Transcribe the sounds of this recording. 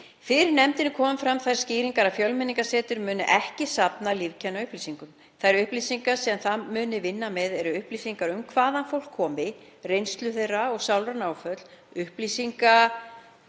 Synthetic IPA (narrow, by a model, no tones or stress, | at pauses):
fɪɾɪɾnɛmt̪ɪnɪkʰɔːmʏmfɾamθajɾ̥sciːɾiŋkaɾafjœlmɛniŋkasɛːt̪ʏɾmʏːnʏʔɛhcɪsapnalivcʰɛnːaʏhpliːsiŋkʏm | θajɾʏhpliːsiŋkḁsiːðanθamʏːnɪvɪnːamɛðɛɾʏʏhplisiŋkaɾʏmkʰvaːðanfowl̥kʰːɔːmɪ | rejnst̪lʏθejrːaɔɣsawlɾanaːwfœt̪l̥ʏhpliːsiŋka